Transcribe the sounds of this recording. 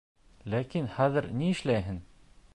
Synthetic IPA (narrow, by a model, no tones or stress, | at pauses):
lækinχæðɘ̆ɾniɘ̆ʃlæjɦɘn